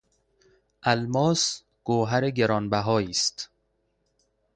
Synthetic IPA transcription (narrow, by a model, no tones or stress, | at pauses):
ʔælmɒːs | ɡ̥oːɦæɾeɡeɾɒːnbæɦɒːiːst̪